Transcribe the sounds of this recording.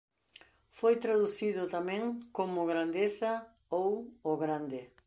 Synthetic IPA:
fojt̪ɾaðuθiðʊt̪amẽŋkomʊɣɾand̪eθɐ | owʊɣɾand̪ɪ

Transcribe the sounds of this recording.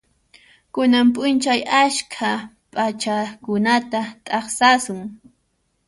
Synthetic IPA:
kʊnampʼʊnt͡ʃajaʃkʰa | pʼat͡ʃakʊnat̪at̪ʼɑχsasʊŋ

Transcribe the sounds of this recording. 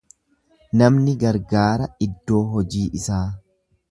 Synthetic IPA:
nɐmnɪɡɐɾɡaːɾɐɪd̪ːo̞ːɦɔd͡ʒiːʔɪsaː

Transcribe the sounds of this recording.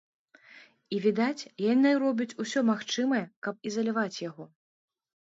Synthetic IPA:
ivʲid̪at͡sʲjanɨjɾɔbʲut͡sʲusʲɔmaxt͡ʂɨmɐjɛkɐp̚izɐlʲavat͡sʲjaɣɔ

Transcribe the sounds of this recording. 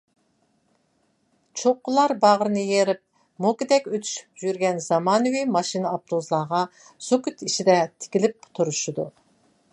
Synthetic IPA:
t͡ʃʰoqːʊlˠɑɾbɑʁəɾɨnɨjeɾɪp̚ | mokʲɪd̪ɛkʲøt̪ʰy̥ʃy̥p̚ʒyɾɡʲɛnz̥ɑmɑːnɨwimɑʃinɨɑp̚t̪ʰuzlˠɑʁɑ | sukʲyt̪iʃid̪ɛt̪ʰɪ̥kʲilɪp̚ːʊ̥t̪ʰuɾuʃud̪u

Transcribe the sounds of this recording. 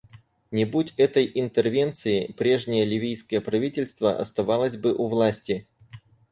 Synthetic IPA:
nʲɪbutʲɛt̪əjɪnt̪ɨrvʲe̞nt̪sɨɪpɾʲe̞ʐnʲɪjəlʲɪvʲijskəjəpɾɐvʲitʲɪlʲst̪və̰ʔɐ̰st̪ɐvalˠəzʲbɨʔʊvlˠasʲtʲɪ

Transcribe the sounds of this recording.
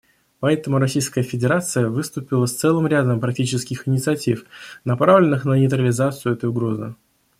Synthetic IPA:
pɐɛt̪əmʊɾɐsʲijskəjəfʲɪdʲɪɾat̪sɨjəvɨst̪ʊpʲɪlˠəst̪sɛlˠɨmɾʲad̪əmpɾɐk̚tʲit͡ɕɪskʲɪxɪnʲɪt̪sɨɐtʲifnɐpɾavlʲɪnːɨxnənʲɪt̪ɾəlʲɪzat̪sɨjʊɛt̪əjʊɡɾo̞zɨ̰

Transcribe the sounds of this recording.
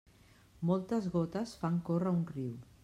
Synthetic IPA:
mɔlˠt̪əzɣɔt̪əsfaŋkorəunriw

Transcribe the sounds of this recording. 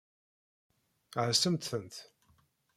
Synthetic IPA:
ʕəsəmt̪θənt̪

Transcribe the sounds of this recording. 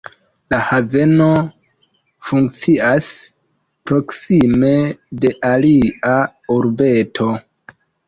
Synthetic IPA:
lahave̞no̞ | fuŋkt͡sias | pɾo̞ksimede̞ʔalia | uɾbe̞tʰo̞

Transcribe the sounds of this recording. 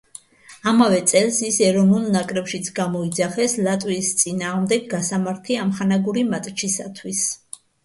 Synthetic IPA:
amavɛt̪sʼɛlsisɛɾɔnulˠnakʼɾɛpʃit̪sʰɡamɔid̪zaχɛslat̪ʼwiːst̪sʼinaːʁmd̪ɛɡːasamaɾt̪ʰiamχanaɡuɾimat̪ʼt͡ʃʰisat̪ʰwis

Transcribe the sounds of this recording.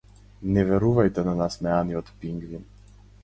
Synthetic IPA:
nɛvɛɾuvajt̪ɛnanasmɛaniɔt̪piŋɡvin

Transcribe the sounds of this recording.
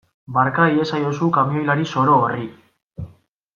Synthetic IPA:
baɾkaie̞sajosukamio̞jlaɾiso̞ɾo̞ːri

